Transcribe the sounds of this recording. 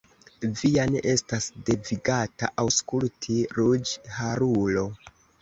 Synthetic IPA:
vianeʔe̞stasde̞viɡata̰ʔawskultʰiɾud͡ʒhaɾulo̞

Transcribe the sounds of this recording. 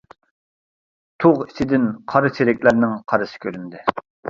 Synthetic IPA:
t̪ʰoʁi̥t͡ʃ̪ʰɪd̪ɪnqʰɑɾɨt͡ʃʰeɾɛkʲlæɾnɪŋqʰɑɾɨsɪ̥kʲʰøɾynd̪ɪ

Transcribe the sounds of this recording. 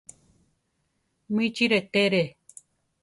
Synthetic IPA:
mĩt͡ʃiɾet̪eɾe

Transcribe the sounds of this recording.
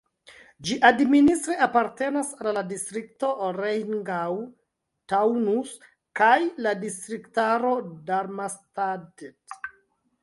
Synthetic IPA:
d͡ʒiʔadministɾeapaɾte̞nasalːadistɾikto̞ɾejŋɡaw | tawnus | kajladistɾiktaɾo̞daɾmastadet

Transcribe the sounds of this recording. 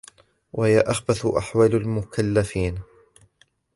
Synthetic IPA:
wʔahɪjaʔaxbaθʊʔa̰ħwaːlalmʊkʰalːafiːn

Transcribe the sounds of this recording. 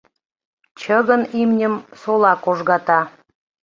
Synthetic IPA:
t͡ɕəɣənimnʲəmsolɑkoʒɣɑt̪ɑ

